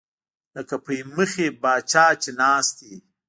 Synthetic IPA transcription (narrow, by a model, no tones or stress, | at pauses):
ləkapəməxebɑːt͡ʃɑːt͡ʃenɑːst̪i